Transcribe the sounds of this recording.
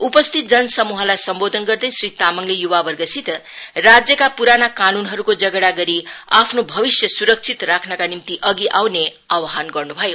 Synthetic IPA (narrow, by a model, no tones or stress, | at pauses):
upʌst̪ʰit̪̚d͡zʌnʌsʌmuɦʌlajsʌmbod̪ʱʌnɡʌrd̪ʌjsrit̪amʌŋlejuβabʌrɡʌsʰit̪ | rad͡zjʌkapuɾanakanunɦʌɾukod͡zʌɡɽaɡʌɾiapʰnobʱʌbisjʌsuɾʌk̚t͡sʰit̪rakʰnʌkanimt̪iʔʌɡiʔawne | awɦanɡʌrnubʱʌjo